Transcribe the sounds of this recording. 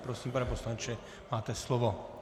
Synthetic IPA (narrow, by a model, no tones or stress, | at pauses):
pɾɔsiːmpɾɛpɔslant͡ʃɛ | maːt̪ɛslɔʋɔ